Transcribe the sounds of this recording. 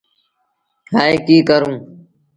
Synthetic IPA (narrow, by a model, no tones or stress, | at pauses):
ɦaːeːkiːkəɾũː